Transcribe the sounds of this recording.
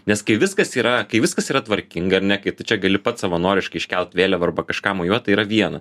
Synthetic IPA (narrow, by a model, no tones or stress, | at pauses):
nʲɛskɐɪʋʲɪskɐsiːɾɐkɐɪʋʲɪskɐsiːɾɐt̪ʋɐɾʲkʲɪŋɡɐɐɾnʲɛkɐɪt̪ʊt͡ʃʲɛɡɐlʲɪpɐt̪sɐʋɐnoːɾʲɪʃkɐɪʃʲkʲɛlʲˠt̪ʲʋʲeːlʲɛʋɐrbɐkɐʃkɑːmojuɔtt̪ɐɪiːɾɐʋʲiɛnɐ